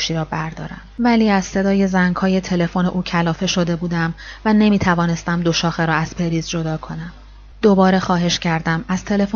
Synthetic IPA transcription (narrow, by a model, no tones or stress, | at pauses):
ʃiːɾɒːbæɾd̪ɒ̰ːɾæ̰mvæliːæzse̞d̪ɒːje̞zæŋɡhɒːje̞t̪ʰe̞le̞fo̞neʔuːcʰælɒːfe̞ʃo̞d̪e̞buːd̪æmvæne̞miːt̪ʰævɒːne̞st̪æmd̪o̞ʃɒːxe̞ɾɒːæz̥pʰe̞ɾiːzd͡ʒo̞d̪ɒːkʰo̞næm | d̪̥o̞bɒːɾe̞xɒːɦe̞ʃcʰæɾd̪æmæz̥t̪ʰe̞le̞fo